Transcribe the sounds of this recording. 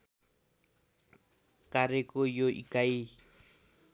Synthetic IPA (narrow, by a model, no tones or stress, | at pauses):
kaɾɪkʊjoʔḭkai